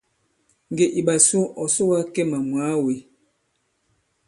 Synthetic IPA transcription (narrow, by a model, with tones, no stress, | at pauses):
ŋ˨ɡe˨ʔi˨ɓa˨su˦ʔɔ˨so˦wa˦ke˦ma˨mwa˨˦we˨